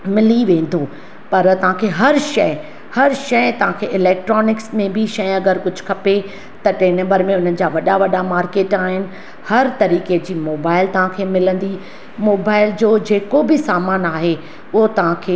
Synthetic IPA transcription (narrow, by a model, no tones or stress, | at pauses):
mɪliʋẽːn̆d̪oː | pɐɾt̪ɐʋ̤ãkʰeːɦɐɾʃɐɪ | hɐɾʃɐjt̪ɐʋ̤ãkʰeːʔɪlɛːk̚ʈɾɔːnɪksmẽbʱɪʃɐj̃ɐɡəɾkʊd͡ʑʱʊ̥kʰɐpe | t̪ɐʈeːnẽːbəɾmẽʊn̤ənɪ̆d͡ʑaːʋɐɗaʋɐɗamaːɾkeːʈaːɦɪnɪ̆ | hɐɾt̪ɐɾiːked͡ʑiːmoːbaːɪlt̪ɐʋ̤ãkʰeːmɪlə̃nd̪i | moːbaːɪld͡ʑoːd͡ʑeːkobɪsaːmaːnaːɦe | ʊɦot̪ɐʋ̤ãkʰeː